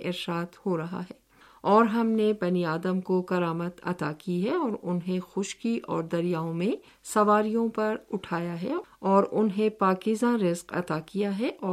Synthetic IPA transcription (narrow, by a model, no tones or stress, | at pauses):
ʔɪɾʃaːd̪hoɾɐɦa̰ɦɛː | ɔːɾɦɐmnebɐniaːd̪əmkokɐɾaːmət̪ɐ̰t̪akiɦɛɔːɾʊnɦẽxʊʃkiʔɔ̰ːɾd̪ɐɾijaːõmẽ | sɐʋaːɾijõpɐɾʊʈʰaːjaɦɛɔːɾʊnɦẽpaːkɪzãɾɪzqɐ̰t̪akijaɦɛʔɔː